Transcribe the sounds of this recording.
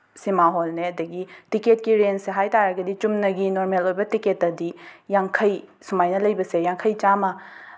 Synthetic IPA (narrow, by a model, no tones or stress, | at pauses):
simaɦolneɐdɐɡitiket̚kiɾenseɦajtaɾɐɡɐdit͡ʃumnɐɡinoɾmelojbɐtiketːɐdijaŋkʰɐjsumajnɐlɐjbɐsejaŋkʰɐjt͡ʃamɐ